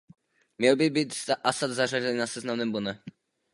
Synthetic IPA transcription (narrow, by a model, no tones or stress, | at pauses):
mɲɛlbɪbiːt̪zaʔasad̪zarazɛniːnasɛznamnɛːmbonɛ